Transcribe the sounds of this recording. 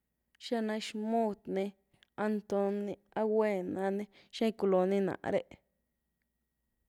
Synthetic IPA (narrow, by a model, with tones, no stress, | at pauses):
ʃa˦nã˧ʃmo˦˧d̪nĩ˧ | a˧nt̪o˧ni˧a˦we˦˨nã˧nĩ˦ | ʃã˦jku˧lo˨nĩ˦nã̰˨ʔɾe˧ʔ